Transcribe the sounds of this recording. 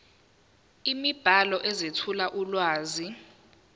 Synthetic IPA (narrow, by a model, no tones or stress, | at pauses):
imib̥ʱalɔʔɛzetʰulaʔulwaːzi